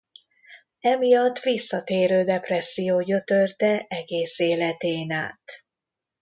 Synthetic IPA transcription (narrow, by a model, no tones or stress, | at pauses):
ɛmijɒt̪ːʋisːɒt̪eːɾøːd̪ɛprɛsːijoːɟø̞t̪ø̞rt̪ɛɛɡeːseːlɛt̪eːnaːt̪